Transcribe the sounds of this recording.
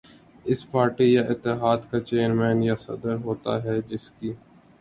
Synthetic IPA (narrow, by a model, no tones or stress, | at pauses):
ɪspaːɾʈijaʔɪt̪ːɪɦaːd̪kat͡ʃeːəɾmɛːnjasɐ̰d̪əɾɦoːt̪a̰ɦɛd͡ʒɪskiː